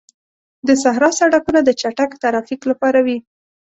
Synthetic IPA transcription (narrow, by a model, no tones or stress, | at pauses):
d̪əsaɦɾɑsaɽakunad̪ət͡ʃaʈakt̪aɾɑfiklapɑɾawi